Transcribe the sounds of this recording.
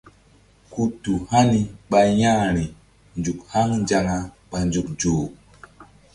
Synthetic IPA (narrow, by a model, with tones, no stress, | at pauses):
ku˦tu˨ha˦ni˦ɓa˧ja˦ɾi˨ | nd͡ʒu˨kha˦ŋnd͡ʒa˧ŋa˧ | ɓa˨nd͡ʒu˨k̚d͡ʒoː˨